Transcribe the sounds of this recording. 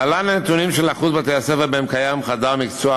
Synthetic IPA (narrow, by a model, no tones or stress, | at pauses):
alananet̪unimʃelaχuzbat̪easevebeemkajamχad̪aʁmikt͡soa